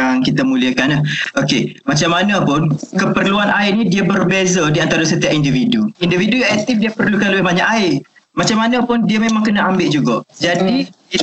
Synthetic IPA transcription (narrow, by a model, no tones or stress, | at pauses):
aŋkit̪amũliəkanəhokemat͡ʃamːanəpʊnkəpərluanaɪʔnĩdiəbərbezədiant̪aɾasət̪iaʔindividuindividujaɛt̪ɪf̚diəpərlukaləbɪhbaɲaʔaɪʔ | mat͡ʃamanəpʊndiəmemaŋkənəambɪʔd͡ʒuɡaʔd͡ʒadi